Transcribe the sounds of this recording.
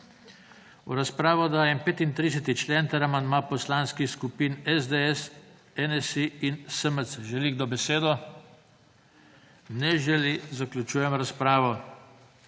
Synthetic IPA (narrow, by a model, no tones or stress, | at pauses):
ṵɾaspɾaːʋɔd̪ajɛmpeːt̪int̪ɾis̬ɛt̪it͡ʃlent̪ɛɾamanmapɔslaːnskixskupiːnɛzd̪eɛs | ɛnɛsiinsəməsʒɛliɡd̪ɔbɛseːd̪ɔ | nɛʒɛlizaklʲjut͡ʃuːjɛmɾaspɾaːʋɔ